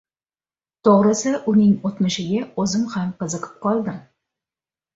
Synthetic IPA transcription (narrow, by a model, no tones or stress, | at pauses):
t̪ʰoʁɾɨsɪʔʊnɪŋot̪mɪʃɪɡʲaozɪmhamqɨzɨqʰə̥p̚qɒlˠd̪ɪm